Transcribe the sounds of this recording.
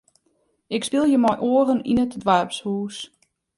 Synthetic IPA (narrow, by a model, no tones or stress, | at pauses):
ɪkspɪlˠjəmɔjʔoːərənḭnətdʋarpshuːs